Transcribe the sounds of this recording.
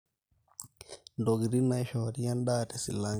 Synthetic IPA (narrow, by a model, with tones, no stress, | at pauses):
ndo˨ɡɾi˦na˨jʃo˨ɾi˦ja˦nɗaː˦te˨sḭ˨lːa˦